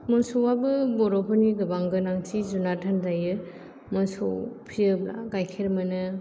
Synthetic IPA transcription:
mɔnsɔwabɯbɔɾɔpʰɯniɡɯbaŋɡɯnaŋtʰizunatʰandajɯ | manso̰pʰiɯbɾa̰ɡajkʰeɾmɯnɯ

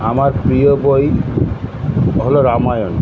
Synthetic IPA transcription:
amaɾpɾijoboj | ɦɔloɾamajɔn

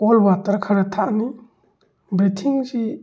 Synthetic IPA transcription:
ɔlbatɐɾkʰaɾɐtʰaʔni | bɾetʰiŋsi

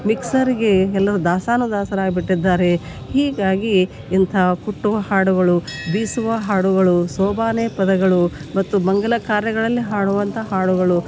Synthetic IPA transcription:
miksɐɾiɡe̞ɛlːɐɾud̪aːsaːnud̪aːsɐɾaːɡibiʈːid̪ːaːɾe̞ | hiːɡaːɡiː | nt̪ʰɐkuʈːuʋɐhaːɽuɡɐɭubiːsuʋɐɦaːɽuɡɐɭusɔːbʱaːneːpɐd̪ɐɡɐɭumɐt̪ːubɐŋɡɐlɐkaːɾjɐɡɐɭɐlːiɦaːɽuʋɐnt̪ʰɐɦaːɽuɡɐɭu

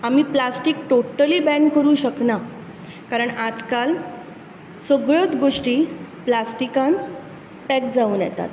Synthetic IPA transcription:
am̤iːplasʈikʈoʈəliːbɛnkəɾuːɕəkna | kaɾəɳad͡zkal | səɡɭət̪ɡoʂʈiːplasʈikan | pɛk̚d͡zauːnjɛ̰t̪a̰t̪

